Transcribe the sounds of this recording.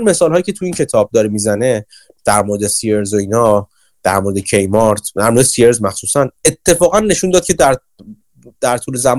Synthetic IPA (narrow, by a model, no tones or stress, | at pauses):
nme̞sɒːlhɒːjiːcʰe̞t̪ʰuiːncʰe̞t̪ʰɒːb̚d̪ɒːɾemizæne̞ | d̪̥æɾmoɾed̪esieɾzoiːnɒː | d̪̥æ̰ɾmo̞ɾed̪ecʰe̞jmɒɾt̪ʰd̪æɾmoɾesieɾzmæxsuːsænet̪ʰːe̞fɒːɣænːe̞ʃund̪ɒːd̪̥̚cʰed̪æɾ | d̪̥æɾt̪ʰuːlezæm